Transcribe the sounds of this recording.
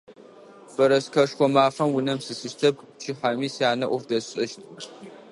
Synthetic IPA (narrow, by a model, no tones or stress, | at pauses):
bɐɾɐskʰɐʃxʷɔmaːfɐmwʊnɐmsɨsɨʃtʰɐp̚ | t͡ʃʰiħamiːsjaːnɐʔʷʊrdɐɕʼɪʃtʰ